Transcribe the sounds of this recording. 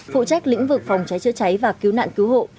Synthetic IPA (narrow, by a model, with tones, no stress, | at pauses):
fṵ˧˨t͡ɕa˦˥k̟̚lḭ˧˥ŋvɨ˨˩k̚fɔ˨˩wŋ͡mt͡ɕa˨˦jt͡ɕɨ̰˧˥t͡ɕa˨˦jvaː˨˩ki˨˦wna̰ː˧˨nki˨˦wɦo̰˧˨